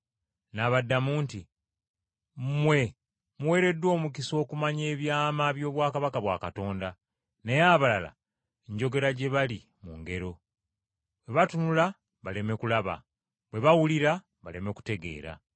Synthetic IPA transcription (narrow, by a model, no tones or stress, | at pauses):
naβadːamuːnti | mwe̞ | muwe̞ːɾe̞dːwo̞ːmukiso̞ːkumaɲe̞ːβjaːmaβjo̞ːβwaːkaβakaβwa̰ːkato̞ːnda | nejaβalala̰ | eɲɟo̞ɡe̞ɾaɟe̞βali | muŋɡe̞ɾo̞ | βwe̞βatunula | βale̞me̞kulaβa̰ | βwe̞βawuliɾa | βale̞me̞ku̥te̞ɡe̞̰ːɾa̰